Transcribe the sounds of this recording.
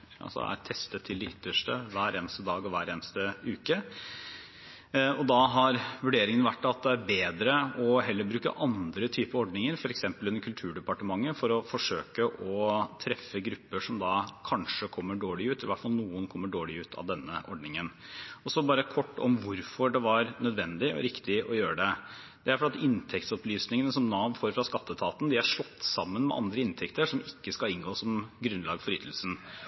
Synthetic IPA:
ɑ̰sɔ̰æ̰ɾt̪ʰɛst̪ət̪ʰːɪld̪ɛʏt̪ːəʂʈəʋæːɾeːnəst̪əd̪ɑːɡɔʋæːɾeːnəst̪əʉːkə | ɔd̪ɑɦɑɾʋʉɖeːɾɪŋənəʋæʈːɑt̪̚d̪ɛæɾbeːd̪ɾəɔɦɛlːəɾbɾʉːkə̰ʔɑnd̪ɾət̪ʰyːpəɾɔɖnɪŋəɾfɔɾɛksɛmpəlɛnkʰʉlt̪ʰʉːɖɛpɑʈəmɑŋːəfɔɾɔfɔʂøːkəʔɔt̪ʰɾɛfːəɡɾʉpːəʂɔmd̪ɑkʰɑnʂəkʰɔmːəɖoːɭɪʉːt̪ʰɛlɪʋæʈfɑlnuːənkʰɔmːəɖoːɭɪʉːt̪ʰɑ̰ʋd̪ɛnːəʔɔɖnɪŋənɔsɔbɑːɾəkʰɔʈːɔ̰mʋʊɾfɔɖɛʋɑɾnœd̪ʋɛnd̪ɪɔ̰ɾɪkt̪ɪʔɔjøːɾəɖɛ | d̪ɛæɾfɔɾɑt̪ɪnt̪ʰɛkt̪sɔplyːsnɪŋənəsɔmnɑːʋfoːɾfɾɑskɑt̪ːət̪ʰɑːt̪n̩d̪ɪæɾʂɭɔt̪ːsɑmːənmɛ̰ʔɑ̰nd̪ɾəɪnt̪ʰɛkt̪əʂɔmɪkːəskɑlɪnɡoːsɔmɡɾʉnlɑːɡfɔɾʏt̪ʰːəl̩sn̩

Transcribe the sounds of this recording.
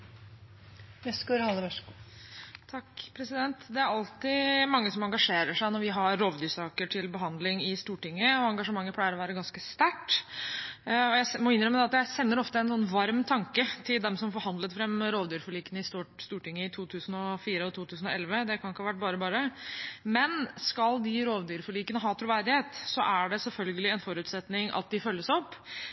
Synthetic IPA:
ʋɛskʉɾhɑlːəʋœʂkː | t̪ʰɑkpʰɾɛsɪd̪ɛnt̪d̪ɛæɾɑlt̪ɪmɑŋːəsɔmɑŋɡɑʂeːɾəʂæɪnɔɾʋɪɦɑɾoːʋd̪yːʂɑːkəʈʰɪlbəɦɑnd̪lɪŋɪst̪uːʈɪŋːəɔɑŋɡɑʂəmɑŋːəpʰlæɪəɾɔʋæːɾəɡɑnskəst̪æʈː | ɔjæɪmɔɪnːɾɛmːəd̪ɛɑt̪jæɪsɛnːəɾɔft̪əɛnsɔnʋɑɾmt̪ʰɑŋkət̪ʰɪld̪ɛmsɔmfɔɾhɑnd̪lət̪fɾɛmːɾoːʋd̪yːɾfɔɭiːkənəɪst̪ːst̪uːʈɪŋːəɪt̪ʰuːt̪ʰʉːsn̩ɔfiːɾəɔt̪ʰuːt̪ʰʉːsn̩ɔ̰ɛlʋəd̪ɛkʰɑnɪkːəhɑːʋæʈ̚ːbɑːɾəbɑːɾəmɛnskɑld̪ɪɾoːʋd̪yːɾfɔɭiːkənəɦɑːt̪ʰɾʊʋæɾd̪ɪheːt̪sɔʔæɖɛsɛlfœlɡəlɪɛnfɔɾʉːt̪sɛt̪nɪŋʔɑ̰t̪̚d̪ɪfœlːəsɔpː

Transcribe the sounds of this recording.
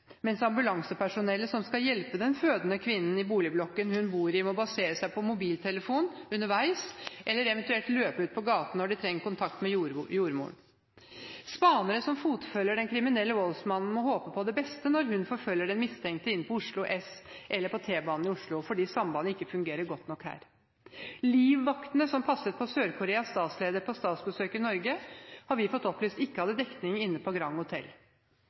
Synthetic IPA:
mɛnsɑmbʉlɑŋsəpʰæʂʊnɛlːəsɔmskɑjɛlpəd̪ɛnføːd̪ənəkʰʋɪnːən̩ɪbuːlɪblɔkːənhʉnbuːɾɪmɔbɑseːɾəsæɪpʰɔmʊbiːlt̪ʰɛləfuːnʉnːəɾʋæɪsʔɛlːəɾɛʋɛnt̪ʉɛlʈ̪løːpʉːt̪̚pʰɔɡɑːt̪ɑnːɔɖɪt̪ʰɾɛŋːəɾkʊnt̪ʰɑkt̪mɛjuːɾmṵːɳ | spɑːnəɾəsɔmfuːt̪fœlːəɖɛnkʰɾɪmɪnɛlːəʋɔlsmɑnn̩mɔhoːpəpʰɔd̪ɛbɛst̪ənɔɾɦʉnfɔɾfœlːəɖɛnmɪst̪ʰɛŋk̚t̪əɪnːpʰɔʊʂɭʊʔɛsʔɛlːəɾpʰɔt̪ʰeːbɑːnn̩ɪʊʂɭʊfɔɖiːsɑmbɑːnəɪkːəfʉŋɡeːɾəɾɡɔt̪nɔkhæ̰ːɾ | liːʋːɑkt̪nəsɔmpʰɑsːət̪pʰɔsøːɾkʰʊɾeːɑst̪ɑːt̪sleːd̪əɾpʰɔst̪ɑːt̪sbəsøːkəɪnɔɾɡəhɑɾʋɪfɔt̪ːɔplyst̪ɪkːəhɑd̪əd̪ɛkt̪nɪŋɪnːəpʰɔɡɾɑŋhʊt̪ʰɛ̰l

